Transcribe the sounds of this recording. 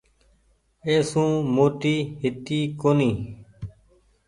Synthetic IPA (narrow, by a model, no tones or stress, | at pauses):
eːsũːmoːt̪iːɦɪt̪iːkoːnĩː